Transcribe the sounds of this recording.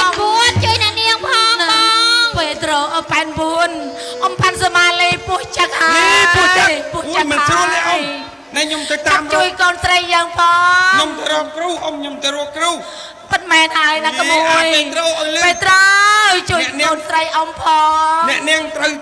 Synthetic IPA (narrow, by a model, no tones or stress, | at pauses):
buənt͡ɕuəjnɛ̆əʔniəŋpʰɔnpeːt̪roːʔəpaɛnbuən | ʔompansamaːliːpuəht͡ɕək̚hapuət͡ɕəpuəht͡ɕəkməaɔnɛʔo | naɲomət̪aːt̚t͡ɕuəjkoːnsrəjːəːŋpʰɑːɲomt̪aɾuəp̚kruːʔomɲomt̪aɾuəp̚kruː | pɨt̪̚mɛːnhaəjnakəmujit̪roːʔolpeːt̪rot͡ɕuəɛəʔʔnoːnsrəjʔompʰɔːnɛ̆əʔniəŋt̪rəw